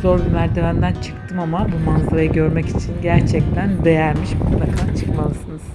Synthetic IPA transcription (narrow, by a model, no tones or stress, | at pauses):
zo̞ɾbynæɾd̪iɾænd̪ænt͡ʃʰɯ̥kt̪ʰɯmamabumanzaɾajɯɟø̞ɾmɛci̥t͡ʃʰinɟæɾt͡ʃʰɛc̚t̪ʰænd̪e̞jæɾmiʃmut̪lˠakʰat͡ʃʰɯ̥kmalˠɯsɯnɯz̥